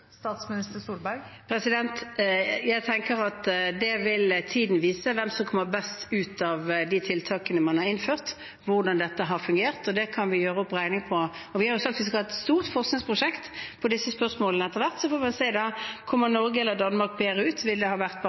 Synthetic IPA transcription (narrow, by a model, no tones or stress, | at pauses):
st̪ɑːt̪smɪnɪst̪əsuːlbæɾɡpʰɾɛsɪd̪ɛnt̪jæɪt̪ʰɛŋkəɾɑt̪d̪ɛʋɪlt̪ʰiːd̪n̩ʋiːsəʋɛmsɔmkʰɔmːəɾbɛst̪ʉːt̪ɑʋd̪it̪ʰɪlt̪ʰɑːkənəmɑnhɑɾɪnføːʁt̪ | ʋʊʁd̪ɑnd̪ɛt̪ːəɦɑɾfʉŋɡeːʁt̪ɔd̪ɛkʰɑnʋɪjøːʁəɔpːʁæɪnɪŋpʰɔɔʋɪhɑɾjʊsɑkt̪ʋɪs̬kɑɛtt̪st̪uːʁt̪fɔʁsknɪŋspʰʁʊʂɛkt̪pʰɔd̪ɪsːəspœʁsmoːlənəɛt̪ːəʁʋæʁt̪sɔfɔmɛnsæɪd̪ɑkʰɔmːənɔɾɡəɛlːəd̪ɑnːəmɑʁk̚beːɾəʉːt̪ʋɪld̪ɛhɑːʋæʁt̪̚b